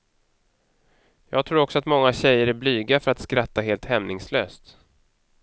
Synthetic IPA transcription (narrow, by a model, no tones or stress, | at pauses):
jɑ̰ːɡ̚t̪ʰɾuːɾɔksɔat̪mɔŋːaɕɛjːəɾæblyːɡafœɾat̪skɾat̪ːaɦeːlt̪hɛmnɪŋsløːst̪